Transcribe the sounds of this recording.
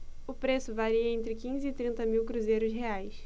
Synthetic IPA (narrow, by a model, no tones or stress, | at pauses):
ʊpɾesʊvaɾiɐẽnt̪ɾɪkĩzɪːt̪ɾĩnt̪ɐmiwkɾuzejɾʊsɦeajs